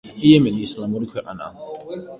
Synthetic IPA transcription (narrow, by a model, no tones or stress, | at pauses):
iɛmɛnislamuɾikʰwɛʔa̰na̰